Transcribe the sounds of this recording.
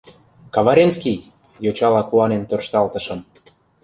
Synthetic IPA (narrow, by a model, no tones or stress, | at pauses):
kɑβɑɾʲenskij | jot͡ɕɑlɑkuɑnent̪ørʃt̪ɑlt̪ɤ̆ʃɤ̆m